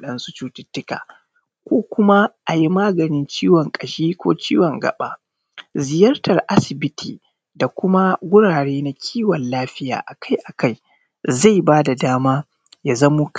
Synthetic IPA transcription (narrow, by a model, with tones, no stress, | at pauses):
ɗɐ˦nsu˦t͡ʃuː˦tɪ˦tːɪ˦ka̰ː˨ | kʷoː˦kʷʊ˦ma˦ʔa˨ji˦maː˦ɡɐ˨nɪ˦nt͡ʃiː˦wɔ˨ŋkʼɐ˨ʃiː˦kʷo̰ː˦t͡ʃiː˦wɔ˨ŋɡɐ̰˨ɓa̰˦ | zɪ˨jɐ˦rtɐ˨rʔa˦sɪ˨bɪ˦tʰḭː˨ | da˨kʷʊ˦ma˦ɡʷʊ˦ɽaː˨ɽeː˦na˨˦kʲʰiː˦wɔ˨nlaː˦ɸɪ˦ja̰ː˨ʔa˨ka˦jʔa˨ka˦˨j | za˦˨jbaː˦da˨daː˦maː˦ | jaː˨zɐ˦mu˦k